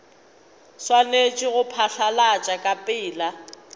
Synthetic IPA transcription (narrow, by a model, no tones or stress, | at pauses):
swalet͡ʃʼɪɣʊpʰaɬalat͡ʃʼakʼapʼɪːla